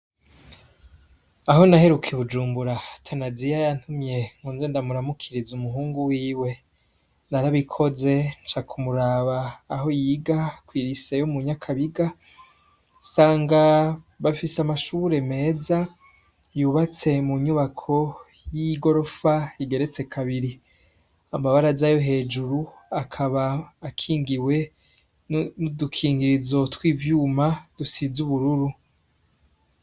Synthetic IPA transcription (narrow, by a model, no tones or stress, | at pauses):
aɦo̞nahe̞ɾukʰeβud͡ʒuːmbuɾatʰanazijajantumje̞ŋ̥uːnzendamuɾamukʰiɾizumuɦuːŋɡuwiːwe̞ | naɾaβikʰo̞ze̞nt͡ʃakʰumuɾaβaːɦo̞jiɡakwiːɾise̞jomuɲakʰaβiɡa | saːŋɡaβafisamaʃuuɾe̞me̞ːza | juːβat͡se̞muɲuβakʰo̞ | jiɡo̞ɾo̞faiɡe̞ɾe̞t͡se̞kʰaβiɾi | amaβaɾazajo̞ɦe̞ːd͡ʒuɾu | akʰaβaːkʰiːŋɡiwe̞ | nudukʰiːŋɡiɾizo̞twiːvjuːmad̥usizuβuɾuɾu